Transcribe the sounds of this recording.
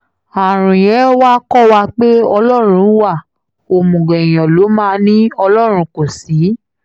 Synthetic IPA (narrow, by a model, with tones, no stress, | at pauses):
a˨ɾ̃ũ˨j̃ɛ̃˨˦wa˦kɔ˦˨wa˧k͡pe˦ɔ˧lɔ˦˨ɾ̃ũ˧˦wa˦˨ | o˨mũ˨ɡɛ̃˨j̃ɔ̃˨lo˨˦mãː˦˧nĩ˦ɔ˧lɔ˦˨ɾ̃ũ˧˦ko˨si˨˦